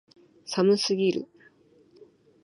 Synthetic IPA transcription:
samɯsɨɡʲiɾɯ̰

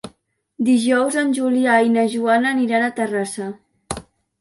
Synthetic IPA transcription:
d̪iʒɔwzənʲʒuliajnəʒuanəːniɾanət̪ərasə

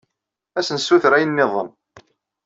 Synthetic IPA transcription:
æsənsːuθɾæjənmɪðˤə̰n

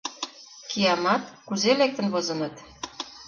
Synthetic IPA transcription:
kijɑmɑt̪kuzelek̚t̪ə̆nβozɤ̆nɤ̆t̪

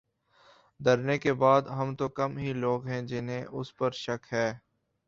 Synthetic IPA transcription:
d̪ɐɾnekebaːd̪ɦɐmt̪okɐmɦiloːɡɦɛ̃d͡ʒɪnɦẽʔʊspəɾʃɐkʰɦɛː

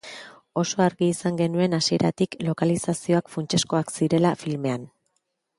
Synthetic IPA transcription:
o̞so̞aɾɣiːsaŋɡe̞nue̞nasie̞̰ɾat̪iklo̞kalisasio̞akfunt͡ʃe̞sko̞aksiɾe̞lafilme̞an

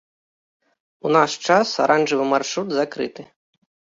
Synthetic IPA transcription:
unaʂt͡ʂasa̰ɾʔanʐɨvɨmarʂɾud̪zakɾɨ̰t̪ɨ

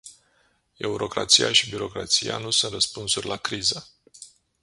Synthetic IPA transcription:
e̞uɾo̞kɾa̰t̪sijaʃibiɾo̞kɾat̪sija̰nusunt̪rəspunsurʲlakɾizə

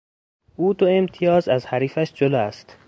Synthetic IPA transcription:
ʔuːd̪oemt̪ʰijɒːzæzhæɾiːfæʃd͡ʒolɒːæst̪

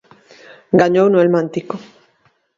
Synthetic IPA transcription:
ɡaɲownwelmãnt̪iko

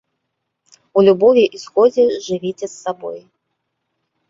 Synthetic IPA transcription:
ulʲubɔvʲiʔisxɔd͡zʲɛʐɨvʲit͡sʲɛsːabɔ̰j

